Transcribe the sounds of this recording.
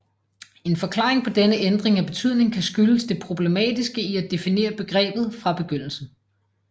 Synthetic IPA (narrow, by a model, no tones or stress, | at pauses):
e̝nfɒ̽kʰlɑ̈ːʁeŋpʰɒ̽d̥enəʔend̥ʁeŋæb̥e̝t͡sʰyð̞̰ˠne̝ŋkʰæsɡ̥yləsd̥e̝pʰʁo̝b̥le̝mɛ̰ːd̥isɡ̥əiæd̥e̝fine̝̰ːɐb̥e̝ɡ̥ʁɛ̰ːb̥ð̞̩ˠfʁɑ̈b̥e̝ɡ̥øn̰l̩sn̩